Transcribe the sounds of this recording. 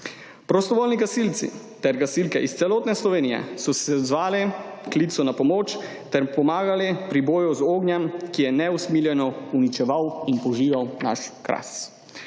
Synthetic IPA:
pɾɔst̪ɔʋoːlniɡasilt̪sḭ | t̪ɛɾɡasilkɛʔist̪sɛloːt̪nɛslɔʋeːnijɛ̰sɔsɛɔd̪zʋaːlɛklit̪sɔnapɔmoːt͡ʃ | t̪ɛɾpɔmaːɡalɛpɾiboːjuzoːɡnjɛmkijɛnɛusmiːljɛnɔunit͡ʃɛʋawinpɔʒiːʋawna̰ʃkɾa̰s

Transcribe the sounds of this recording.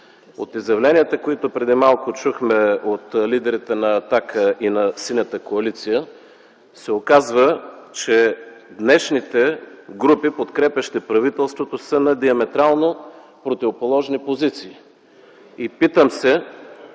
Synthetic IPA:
o̰t̪izjɐvlɛniət̪əkoit̪opɾɛd̪imalˠkʊt͡ʃuxmɛot̪lid̪ɛɾit̪ɛnɐːt̪akəinɐsinʲət̪əkoɐlit̪sijə | sɛokazvət͡ʃɛd̪nɛʃnit̪ɛɡɾupipot̪kɾɛpʲɐʃt̪ɛpɾɐvit̪ɛlˠst̪vot̪osənɐd̪iɐmɛt̪ɾalˠnopɾot̪ivopolˠɔʒnipozit̪siː | ipit̪əmsɛ

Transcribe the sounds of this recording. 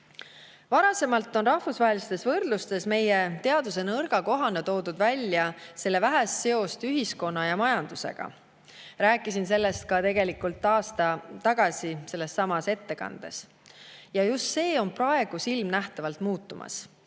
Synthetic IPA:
vɑɾɑse̞mɑlt̪ːˑo̞nrɑhfusvɑɦelist̪e̞svɤrd̪̥lust̪e̞sme̞jet̪e̞ɑd̪us̬e̞nɤrɡ̥ɑko̞ɦɑnet̪o̞ːd̪ud̪̥vælʲːjɑse̞lːe̞væɦest̪se̞o̞st̪yɦisko̞nːɑjɑmɑjɑnd̪̥use̞̰ɡ̥ɑ̰ | ræːkːˑisinse̞lːe̞st̪̚kɑt̪e̞ɡe̞likult̪ːˑɑːst̪ɑt̪ɑɡ̥ɑsise̞lːe̞sːɑmɑse̞t̪ːe̞kɑ̰nd̪̥e̞̰s | jɑjust̪se̞ːo̞nprɑe̞ɡ̥usilmnæht̪ɑvɑlt̪muːt̪ːˑumɑ̰s

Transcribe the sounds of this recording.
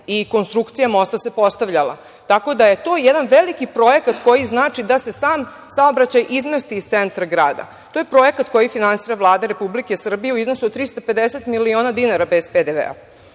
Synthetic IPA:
iko̞nst̪ɾukt̪sijamo̞st̪ase̞po̞st̪aʋʎala̰ | t̪ako̞d̪aje̞t̪o̞ːjɛd̪anʋelikipɾo̞jekat̪ko̞jiznaːt͡ʃid̪ase̞saːm | saobɾat͡ɕajʔizmest̪iːst̪sent̪ɾaɡɾaːd̪a̰ | t̪oːjepɾo̞jekat̪ko̞jifinansiːɾavlˠaːd̪aɾepublikesr̩bijeuiznosuot̪ɾist̪ope̞d̪eset̪milio̞ːnad̪inaɾabezped̪eʋḛa̰

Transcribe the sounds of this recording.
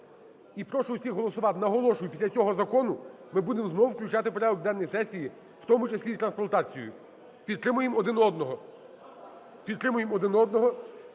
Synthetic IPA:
ipɾɔʃɔwsʲixɦɔlˠɔsʊʋɑt̪ɪnɐɦɔlˠɔʃʊjʊpʲisʲɐt͡sʲɔɦɔzɐkɔnʊ | mɪbud̪emznɔwʊwklʲʊt͡ʃat̪ɪpɔɾɛɔɡ̚d̪ɛnːɔjisɛsʲiji | wt̪ɔmʊt͡ʃɐsʲlʲit̪ɾɐnsplɐnt̪ɑt͡sʲijʊ̰ | pʲid̪t̪ːɾɪmʊjemɔd̪ɪnɔd̪nɔɦɔ | pʲid̪̚ɾɪmʊjemɔd̪ɪnɔd̪nɔɦɔ

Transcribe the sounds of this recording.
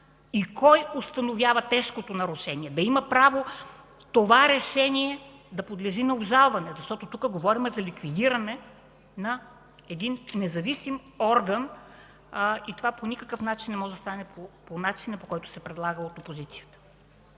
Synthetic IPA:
ikʰɔjost̪ɐnovʲjavɐt̪ɛʃkot̪onɐɾuʃɛniɛd̪ɐimɐpɾavo | t̪ovaɾɛʃɛniɛ | d̪ɐpod̪lɛʒinɐobʒalˠvɐnɛzɐʃt̪ɔt̪ot̪ukəɡovɔɾimɛzɐlikvid̪iɾɐnɛ | nɐ | ɛd̪inːɛzɐvisim | ɔɾɡən | it̪ovaponʲikəkəfnat͡ʃinːɛmɔʒɛd̪ɐst̪anɛpoponat͡ʃinɐpokɔjt̪ʊ̥sɛpɾɛd̪lˠaɡəot̪opozit̪sijət̪ə̥

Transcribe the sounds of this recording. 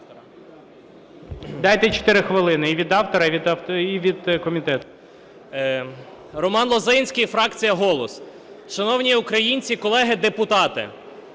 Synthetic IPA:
d̪ɑjt̪ɛt͡ʃɔ̥t̪ɪɾɪxʋɪlˠɪnɪiʋʲid̪ɑwt̪ɔɾɐʋʲid̪iʋʲid̪kɔmʲit̪ɛt̪ʊ̥ | rɔmɑnlˠɔzɪjnʲsʲkʲijfɾɑkt͡sʲijɐɦɔlˠɔs | ʃɐnɔwnʲiukɾɐjinʲt͡sʲikɔlˠɛɦɪd̪epʊt̪ɑt̪ɪ̰

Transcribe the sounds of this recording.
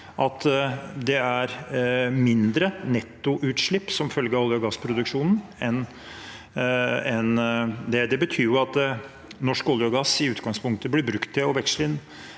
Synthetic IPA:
ʔɑt̪d̪ɛæɾmɪnd̪ɾənɛt̪ːʊʔʉːt̪ʂɭɪpːsɔmfœlɡəɔlːəɔɡɑspʰɾʊd̪ʉkʂuːnn̩ɛn | ɛnd̪ɛd̪ɛbət̪ʰyːɾjʊɑt̪ | nɔʂkɔljəɔɡɑsɪʉːt̪ɡɑŋspʰʊŋk̚t̪əblɪbɾʉkt̪ʰːɪɔʋɛkslɪnː

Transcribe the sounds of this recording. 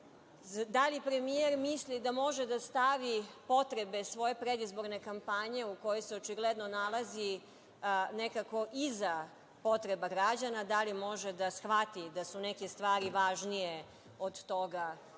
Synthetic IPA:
d̪alipɾe̞mieɾmislid̪amo̞ʒed̪ast̪aʋipo̞t̪ɾe̞be̞sʋo̞je̞pɾed̪izbo̞ɾne̞kampaɲe̞uko̞jojseot͡ʃiɡled̪no̞nalˠazi | nekako̞ʔiza | po̞t̪ɾe̞baɡɾad͡ʑanad̪alimo̞ʒed̪asxʋat̪id̪asunekest̪ʋaːɾiʋaʒnije | od̪t̪o̞ɡa

